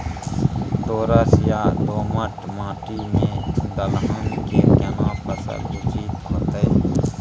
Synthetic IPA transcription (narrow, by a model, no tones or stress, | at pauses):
d̪oːɾəsjaːd̪oːməʈmãːʈiːmẽːd̪əlɦənkekənãːpəsə̰lut͡ʃiːt̪ɦoːt̪eː